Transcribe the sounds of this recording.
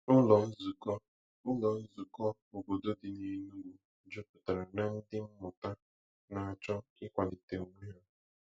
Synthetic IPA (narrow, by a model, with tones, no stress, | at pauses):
ʊ˦lɔ˨n̩˦zu˨kɔ˦ | ʊ˦lɔ˨n̩˦zu˨kɔ˦ | o˨ɡo˨do˦dɪ˨ɲe˨˦nu˦ɡʷu˨˦ | d͡ʒo˦pʊ˨ta˨ɾa˨na˨n̩˦dɪ˦m̩˦mʊ˨ta˦ | na˨a˨t͡ʃɔ˦ɪ˦kʷa˨dɪ˨te˨u˦ŋʷe˦a˦